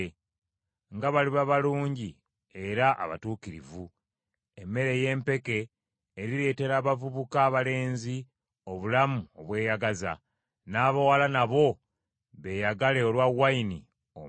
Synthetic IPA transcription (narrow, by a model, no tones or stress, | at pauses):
ŋɡaβaliβaβaluːɲɟi | e̞ɾaʔa̰βa̰tuːkiɾḭvu | e̞mːe̞ɾe̞je̞ːmpe̞ke̞ː | ɾiɾe̞ːte̞ɾaːβavuβukaːβale̞ːnzi | o̞βulamuo̞βwe̞ːjaɡaza̰ | naːβawalanaβo̞ | βe̞jaɡale̞olwawːaini | o̰